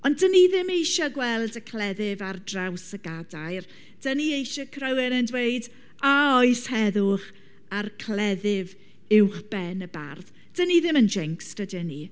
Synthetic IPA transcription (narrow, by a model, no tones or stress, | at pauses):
ɔndəniðɪmejʃaɡwɛlˠdəkʰl̥ɛðɪvardrawsəɡadajr | d̥əniejʃɔkʰrəwɪnəndweɨd | aɔɨshɛðʊχ | arkʰlɛðɪv | ɪwχb̥ɛnəba̰rð | d̥əniðɪmənd͡ʒɛŋkstədəni